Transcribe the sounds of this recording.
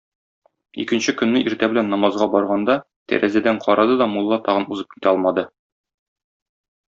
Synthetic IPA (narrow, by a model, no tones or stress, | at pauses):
ḭkɘ̆nɕɘkɵ̆nːɘiɾt̪æbɘ̆lænːɒmɑzʁɑbɒɾʁɑnd̪ɑ | t̪æ̰ɾʔæzæd̪æɴqʰɒɾɑd̪ɤd̪ɒmulˠːɑt̪ɒʁɤ̆nuzɤp̚ki̥t̪æɒlˠmɑd̪ɤ